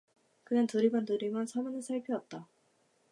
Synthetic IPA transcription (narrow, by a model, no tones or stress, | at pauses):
kɯɲantuɾibantuɾimɯnsʰʌmɯnɯnsʰaɭpʰiʌt̚t͈a